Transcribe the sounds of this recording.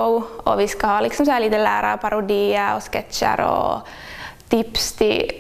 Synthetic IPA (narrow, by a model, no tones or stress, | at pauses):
ʊɔʋɪskɑhɑːlɪksɔmsɔæːliːt̪əlæːɾɑ̰ɾpʰɑɾʊd̪iːəɾɔ̰skɛt̪t͡ʃə̰ɾɔ̰ | t̪ʰɪpst̪ʰɪ